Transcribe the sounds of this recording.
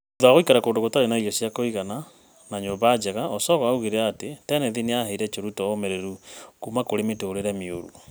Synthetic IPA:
uðaɣoikaɾakoːndoɣotaɾenaiɔsjakoiɣana | naɲoβad͡ʒɛɣaɔsɔɣɔauɣeɾeaːtetɛnɛðineaheiɾɛt͡ʃoɾutɔomɛɾeɾukumakoɾemetoɾeɾɛmio̰ɾṵ

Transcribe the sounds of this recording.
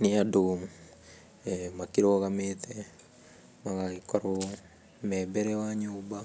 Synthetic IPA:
niaduːm | makiɾoɣamet̪ʰɛ | maɣaikoɾo | mɛbɛɾɛwaɲuːba

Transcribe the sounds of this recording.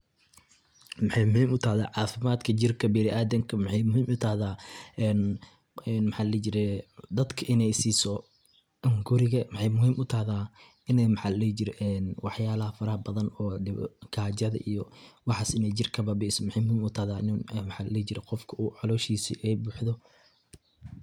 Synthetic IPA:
mɑħɑjmʊhiːmʊt̪ʰahða̰ːʕɑːfɪmaːd̪kʰɐd͡ʒɪrkʰɐbɪɾɪʔaːd̪ɐŋkʰɐmɑħɑjmʊhiːmʔʊt̪ʰɐːðaːɛːn | ɛnmɪħaːllɛːd͡ʒɪɾɛd̪ɐd̪kʰɐʔɪnɛjsiːsɔ | ŋɡʊɾɪɣɐmɑħɑjmʊhiːmʔʊt̪ʰɐhðaː | ʔɪnɛmɪħɑllɛd͡ʒɪɾɛʔɛnwɑħjaːlɐɦɐfɐɾɐhɐbɐðɐnɔːɖɪ̰ɡʰaːd͡ʒɐðɐ̰ʔijɔwɑħɑːsɪnɛjt͡ʃɪrkʰɐbɐbɛsɔmɪħɛjmʊhiːmʊt̪ʰɐhðaːʔɪnɛmħɑllɛd͡ʒɪɾɛqɔfkʰɐuːʕɑlɔːʃiːsḭʔɛjbuːħðɔ

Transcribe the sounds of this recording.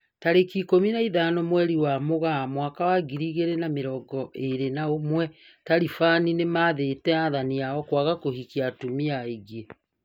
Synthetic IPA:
taɾekikominaiðanɔmwɛɾiwamoɣamwakawaɡiɾiɣeɾenameɾɔɡɔʔeɾenaomwɛ | taɾifaninemaːðetɛaðaniaɔkwaɣakohikiatumiaiɣe

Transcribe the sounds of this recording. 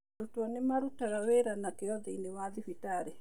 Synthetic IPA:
ɾutwɔnemaɾutaɾaweɾanakeɔðɛinewaðifitaɾe

